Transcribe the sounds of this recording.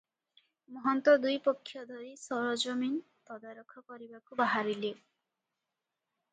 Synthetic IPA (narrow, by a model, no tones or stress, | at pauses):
mɔɦɔnt̪ɔd̪ujpɔkʰːjɔd̪ʱɔɾisɔɾɔd͡ʒɔmin | t̪ɔd̪aɾɔkʰɔkɔɾibakubaɦaɾile